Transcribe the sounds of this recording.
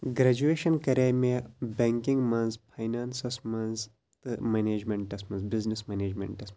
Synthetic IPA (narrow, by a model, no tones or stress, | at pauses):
ɡɾɐd͡ʒueːʃɐnkɐɾʲaːjmebʲeŋkĩŋɡmɐnzpʰajnaːnsɐsmɐnz | t̪ɨmɐneːd͡ʒmeɳʈːɐsmɐnsbiznismɐneːd͡ʒmḛ̃ɳʈɐsm